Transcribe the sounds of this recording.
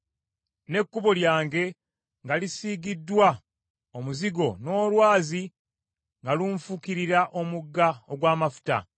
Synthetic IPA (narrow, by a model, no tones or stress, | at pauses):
ne̞kːuβo̞ljaːŋɡe̞ | ŋɡalisiːɡidːwa | omuziɡo̞no̞ːlwaːzi | ŋɡaluːɱfukiɾiɾaʔomuɡːaoɡwaːmafu̥ta̰